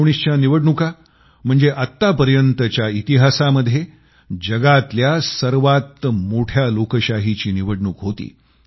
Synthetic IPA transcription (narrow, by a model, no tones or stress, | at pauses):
ɳ̃ist͡ɕjaniʋəɽɳuka | m̤əɳd͡zeʔat̪ːapəɾjənt̪ət͡ɕjait̪iɦasaməd̪ʱːje | d͡ʑəɡat̪ljasəɾʋat̪moʈʰjalokəɕaɦit͡ɕiːniʋəɽɳuːkɦot̪ḭː